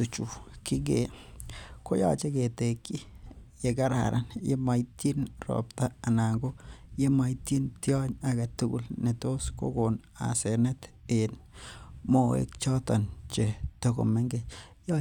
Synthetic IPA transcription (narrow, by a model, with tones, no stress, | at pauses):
tu˨t͡ʃu˨ki˦ɡe | ko˦ja̰˦t͡ʃe˦ke˨tekːi˦je˨ka˦ɾa̰˨ɾʔa˨njḛ˦ma˨iti˦nrɔ̰˨p̚taː˨na˨ŋɡo˦je˦ma˨ti˦ntjɔ˦ɲa˨ɡa˨tu˦ɡṵ˨lne˨to˦sko̰ɡon | a̰se˨nɛ˦t | en | mo˨wḛ˨kt͡ʃɔ˦tɔ˨nt͡ʃe˨toko̰˨me˦ŋɡe | j